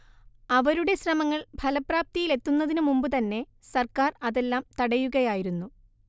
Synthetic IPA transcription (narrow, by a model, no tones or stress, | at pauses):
ɐʋɐɾuɽe̞ɕrɐmɐŋːɐɭbʱɐlɐpraːp̚t̪ijile̞t̪ːunːɐðinumumbɨt̪ɐnːe̞ | sɐrkaːrɐðe̞lːaːmt̪ɐɽɐjuɣɐjaːjiɾunːu